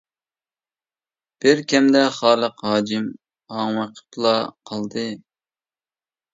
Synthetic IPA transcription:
b̥ɪɾkʲʰɛmd̪ɛχɑːlˠəqɦɑːd͡ʒɪm | hɑŋwəqʰə̥pʰlˠɑqʰɑlˠd̪ɨ

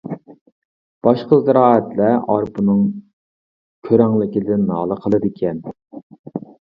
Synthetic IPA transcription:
b̥ɑʃqəzɨɾɑːɛt̪lɛɑɾpunɨŋ | kʲʰøɾæŋlˠɪkʲilɪd̪ɪnːɑːlˠəqʰəlˠɨd̪ɪkʲʰɛn

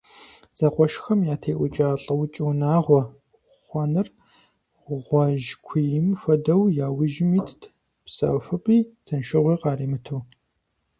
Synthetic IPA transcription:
z̥ɐqʷɔʃxɐmjaːtʰeːʔʷʊt͡ʃʼaːɬʼɐwt͡ʃʼɨwnaːʁʷɔ | χʷɔnɨr | ʁʷɔʒkʷʰijɪmfɐdɐwjaːwɪʒmiːtʰ | psɐ̰fɨpʼiːtʰɨnʃɨʁʷiːqɑːriːmɨtʰɨw

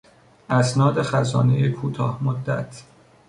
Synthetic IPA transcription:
ʔæsnɒːd̪e̞xæzɒ̰ːnejekʰuːt̪ʰɒːhmod̪ːæ̰t̪ʰ

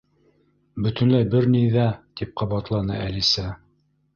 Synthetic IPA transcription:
bɵ̆t̪ɵ̆nlæjbɘɾnijðæt̪ip̚qʰɑβɑt̪lˠɑnɤ̰ʔælisæ

